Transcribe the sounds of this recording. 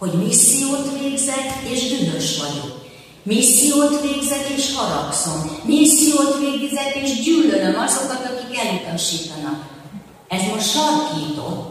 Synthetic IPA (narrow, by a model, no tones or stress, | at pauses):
ho̞ɟmisːijoːt̪veːɡzɛt̪ːeːʒd̪ynøʃʋɒɟo̰ːk | misːijoːt̪ʋeːɡzɛt̪eːʃhɒɾɒkso̞mmisːijoːt̪ʋeːɡzɛt̪eːʒɟyːlːølømɒzo̞kɒt̪ɒkikɛljut̪ɒʃiːt̪ɒnɒk | ɛzmo̞ʃtʃɒrkiːt̪o̰